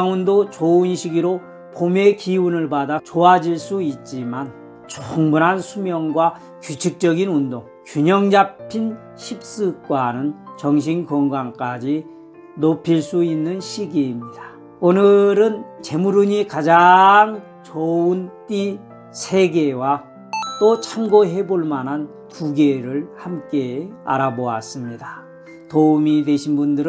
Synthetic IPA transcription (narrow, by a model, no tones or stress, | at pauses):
ŋundot͡ɕounɕʰiɡiɾo | pomekiunɯɭbadat͡ɕoad͡ʑiɭs͈uit̚t͡ɕ͈iman | t͡ɕoŋbunɦansʰumjʌŋɡwa | kjut͡ɕʰik̚t͡ɕ͈ʌɡinundoŋ | kjuɲʌŋd͡ʑapʰin | ɕʰip̚s͈ɯk͈wanɯnt͡ɕʌŋɕ̬ʰinkʌŋɡwaŋk͈ad͡ʑi | nopʰiɭs͈uinːɯnɕʰiɡiːmɲida | onɯɾɯnt͡ɕe̞muɾuɲikad͡ʑaŋ | t͡ɕount͈i | sʰe̞ɡe̞wa | t͈ot͡ɕʰamɡoɦe̞boɭmanɦan | tuɡeɾɯɭhamk͈e̞a̰ɾaboas͈ɯmɲida | toumidweɕʰinbundɯɾ